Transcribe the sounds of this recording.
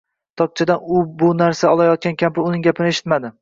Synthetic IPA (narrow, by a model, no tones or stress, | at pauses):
t̪ʰɒk̚t͡ʃʰad̪anʊbʊnaɾsaɒlˠajɒt̪̚kʲankʲʰampɪʊnɪŋɡʲapʰɪnɪeʃɪ̥t̪mad̪ɪ